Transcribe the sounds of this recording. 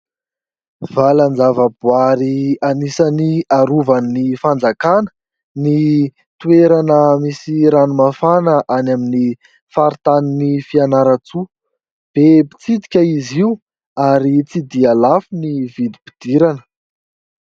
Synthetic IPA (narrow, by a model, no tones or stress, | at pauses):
valand͡zavəbuaɾianisaniaɾuvannifand͡zakanə̥ | ni | t̪ueɾanəmisiɾanumafanəʔanamini | faɾit̪aninifianaɾat͡su | b̥epi̥t͡sid̪i̥kʲəiziu | aɾit͡sid̪ialafunivid̪i̥bid̪̥iɾanə̥